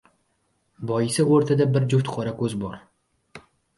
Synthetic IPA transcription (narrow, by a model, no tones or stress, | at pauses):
bɒjɪsɪoɾt̪ʰad̪abɪɾd͡ʒʊwt̪qʰɒɾakʰɵzbɒɾ